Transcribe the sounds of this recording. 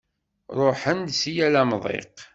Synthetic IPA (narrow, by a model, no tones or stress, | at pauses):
ɾˤoħənd̪sijælæmðˤḛq